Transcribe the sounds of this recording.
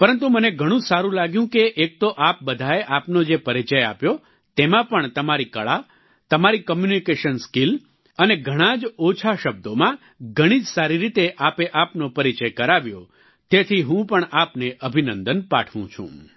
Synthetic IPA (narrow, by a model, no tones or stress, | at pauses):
pəɾənt̪uməneɡʱəɽ̃ũsaɾũlaɡjũkeʔek̚t̪oʔap̚bəd̪ʱaeʔapnod͡ʒepəɾit͡ʃəja̰pjo | t̪emãpəɳt̪əmaɾikəɭa | t̪əmaɾikəmjunikeʃənskil | əneɡʱəɽ̃ãd͡ʒot͡ʃʰaʃəb̚d̪omã | ɡʱəɽ̃id͡ʒsaɾiɾit̪eʔapeʔapnopəɾit͡ʃəjkəɾaʋjo̰ | t̪et̪ʰiɦũpəɳapneʔəbʱinənd̪ənpa̰ʈʰʋṵ̃t͡ʃʰṵ̃